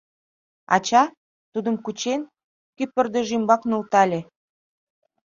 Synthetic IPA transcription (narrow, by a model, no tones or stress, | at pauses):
ɑ̰t͡ɕɑ | t̪ud̪əmkut͡ɕen | kypə̆rd̪eʒimbɑknult̪ɑlʲe